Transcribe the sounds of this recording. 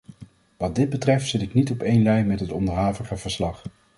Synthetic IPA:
ʋɑd̚dɪd̚bətrɛftsɪtɪknitɔpejnlɛjmɛtɦətɔndəɹɦaːvəχəv̥əɹslɑχ

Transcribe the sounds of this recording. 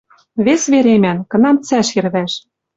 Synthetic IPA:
βesβeɾemænkɤ̆nɑmt͡sæʃirβæʃ

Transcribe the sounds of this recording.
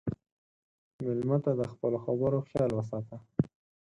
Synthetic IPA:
mɪlmat̪ad̪əxpəloxabəɾoxjɑlwəs̬ɑt̪a

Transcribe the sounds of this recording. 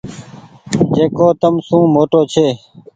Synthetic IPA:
d͡ʒeːkoːt̪əmsũːmoːʈoːt͡ʃʰeː

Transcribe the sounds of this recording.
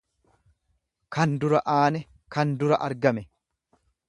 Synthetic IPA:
kɐnd̪ʊɾɐʔaːnɛ | kɐnd̪ʊɾɐʔɐɾɡɐmɛ

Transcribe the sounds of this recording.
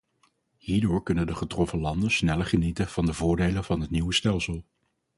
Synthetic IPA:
hiːɹdʊːɹkɵnəndəχətrɔfəlɑndəsnɛləɹχənitəv̥ɑndəvʊːɹdejlənvɑnɦətniwəstɛlˠsəlˠ

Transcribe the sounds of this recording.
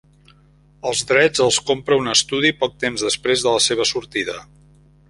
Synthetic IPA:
əlˠzðɾɛd͡zəlˠskompɾəunəst̪uð̞ipɔk̚t̪emzðəspɾezðələseβ̞əsuɾt̪iðə

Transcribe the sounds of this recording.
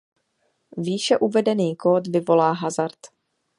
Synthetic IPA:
viːʃɛʔuvɛdɛniːkoːt̪vɪvo̞laːɦazaɾt̪

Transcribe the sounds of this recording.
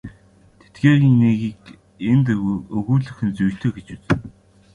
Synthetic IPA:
t̪ʰe̥t̪̚ɡeːɾiːŋneɣiːk | ent̪ɵɣuːɮɵ̆xɘ̆nt͡sujɬt̪ʰɵːɡet͡ɕɘt͡s

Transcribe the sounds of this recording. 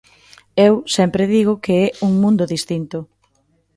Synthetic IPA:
ewsɛmpɾɪðiɣ̞ʊkeɛuŋmũnd̪ʊðist̪int̪ʊ

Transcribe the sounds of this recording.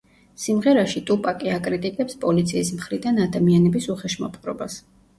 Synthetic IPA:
simʁɛɾaʃit̪ʼupʼakʼiakʼɾit̪ʼikʼɛpspʼɔlit̪sʰiːsmχɾid̪anad̪amianɛbisuχɛʃma̰p̪ʼχʼɾɔ̰bas

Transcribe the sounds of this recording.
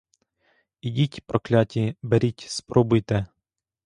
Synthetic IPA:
idʲitʲpɾɔklʲɑtʲibeɾʲitʲspɾɔbʊjt̪ɛ

